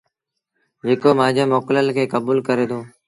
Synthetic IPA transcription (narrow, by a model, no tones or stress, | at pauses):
d͡ʒeːkoːmãːd͡ʑeːmoːkləlkʰeːkəbuːlkəɾeːt̪ʰoː